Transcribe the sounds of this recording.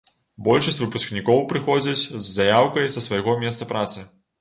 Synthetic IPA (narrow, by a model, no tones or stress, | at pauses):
bɔlʲʂɐsʲvɨpusknʲikɔwpɾɨxɔd͡zʲɐt͡sʲzːajawkɐjsɐsvɐjɣɔmʲɛst̪sɐpɾʔat̪sɨ